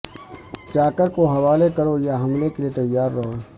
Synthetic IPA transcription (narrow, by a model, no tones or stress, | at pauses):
t͡ʃaːkəɾkoɦɐʋaːlekɐɾojaɦɐmlekeliet̪ɐjːaːɾːɐɦoː